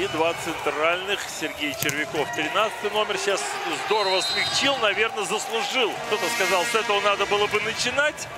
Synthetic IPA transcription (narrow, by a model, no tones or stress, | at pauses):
id̪vat̪sɨnt̪ɾalʲnɨxsʲɪrɡʲejt͡ɕɪrvʲɪko̞ft̪ɾʲɪnat̪sɨ̥t̪ɨjno̞mʲɪrɕas | zd̪o̞ɾəvəsmʲɪxt͡ɕilˠnɐvʲe̞rnəzəslˠʊʐɨlˠkt̪o̞t̪əskɐzɑlˠsɛt̪əvənad̪əbɨlˠəbɨnət͡ɕɪnatʲ